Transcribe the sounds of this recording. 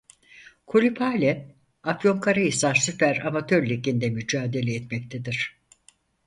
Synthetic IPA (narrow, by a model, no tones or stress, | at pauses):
kʰolʲipʰaːlʲɛ | afjo̞ŋkʰaɾajisaɾsypʰæɾamat̪ʰø̞ɾlʲekind̪ɛmyd͡ʒaːd̪e̞lʲɛːt̪mɛc̚t̪ʰed̪iɾ̝̥